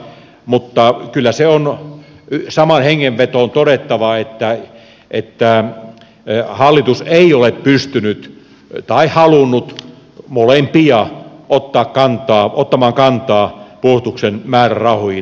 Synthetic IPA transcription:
mut̪ːɑkylːæseon | sɑmɑnheŋːeʋʋet̪oːnt̪odet̪ːɑʋɑet̪ːæ | ʔet̪ːæ | hɑlːit̪useioleppyst̪ynyt̪ | t̪ɑihɑlunːut̪ | molempiɑʔot̪ːɑːkkɑnt̪ˑɑːʔot̪ːɑmɑːŋkɑnt̪ɑːpust̪uksenmæːrærɑhoi

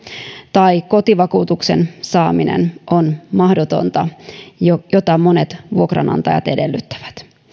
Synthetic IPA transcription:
t̪ɑiko̞t̪iʋɑkuːt̪ukse̞̰nsɑːminḛnʔo̞nmɑhdot̪o̞̰nt̪ɑ | jo̞t̪ɑmo̞ne̞t̪ʋuo̞krɑ̰nɑ̰nt̪ɑjɑ̰t̪e̞de̞lːyt̪ːæ̥ʋæ̥t̪

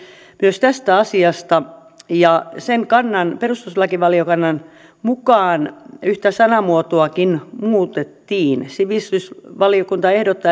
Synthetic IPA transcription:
myøst̪æst̪æɑsiɑst̪ɑ | jɑseŋkɑnːɑnperust̪uslɑkiʋɑliokɑnːɑn | mukɑːnyht̪æsɑnɑmuot̪oɑkinmuːt̪et̪ːiːnsiʋist̪ysʋɑlijokunt̪ɑehdot̪ːɑ

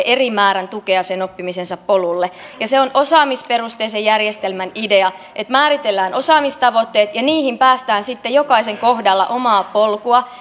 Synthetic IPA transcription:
ʔerimæːɾænt̪ukeɑsenopːimisensɑppolulːe | jɑseonʔosɑːmisperust̪eːsejjærjest̪elmænideɑ | ʔet̪mæːɾit̪elːæːnʔo̞sɑːmist̪ɑʋot̪ːeːt̪jɑniːhimpæːst̪æːnsit̪ːejokɑiseŋkohdɑlːɑ̰ʔomɑːpolkuɑ

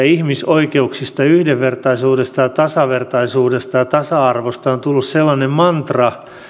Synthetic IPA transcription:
ihmisoikeuksist̪ɑyhdeʋʋert̪ɑisuːdest̪ɑjɑt̪ɑsɑʋert̪ɑisuːdest̪ɑjɑt̪ɑsɑɑrʋost̪ɑont̪ulːusselːɑnemmɑnt̪rɑ

